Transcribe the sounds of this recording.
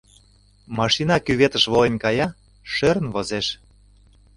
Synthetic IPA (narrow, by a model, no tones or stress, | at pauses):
mɑʃinɑkyβet̪ə̆ʃβolenʲkɑjɑ | ʃøɾə̆nβozeʃ